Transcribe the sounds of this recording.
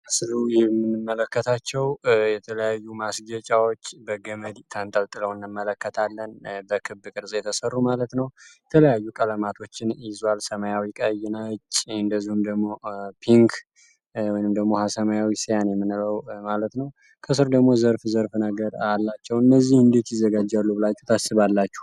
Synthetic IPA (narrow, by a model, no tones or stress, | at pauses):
əsɨɾujmːɨnːɨmːələkːət̪ʰat͡ʃːɛwjɛt̪ʰələjajːumasɡət͡ʃʼawo̞t͡ʃːbəɡəməd̪it̪ʰant̪ʼəlt̪ʼɨləwɨnːɨmːələkːət̪ʰalːənbəkʰɨbːɨkʼɨɾsʼjɛt̪ʰəsərːumalət̪nəwjjɛt̪ʰələjajːukʼələmat̪ʰo̞t͡ʃːɪnizwalsəməjawikʼəjːɪnat͡ʃʼːɨnd̪əzːihumd̪əɡmo̞pʰiŋkʰ | wɔjnɨmd̪əɡmo̞hasəmajawisijanjɛmːɨnləwmalət̪nəw | kʰəs̬ɨɾd̪əɡmo̞zəɾfzəɾfnəɡəɾalːat͡ʃːɛwɨnːəzːihɨnd̪e̞t̪jɪzːəɡad͡ʒːalːubɨlat͡ʃːu̥ht̪ʰasːɨβalːat͡ʃːu̥h